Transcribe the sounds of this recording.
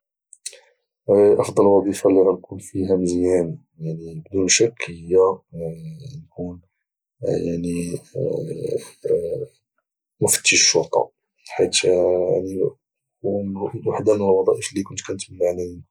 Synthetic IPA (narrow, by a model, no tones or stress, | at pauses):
ʔɑfd̪ˤɑlwɑd̪ˤifalːiʕænkunfihæməzjæni | jaʕnibd̪unʃakːhəjːæ | nkun | jaʕni | mʊfə̥t̪ːəʃʃʃːoɾt̪ˤɑ̰ | ħit̪ja̰ʕni | uwaħd̪amənəlwɑd̪ˤɑʔəflikʊnt̪kænət̪mənaʕlæ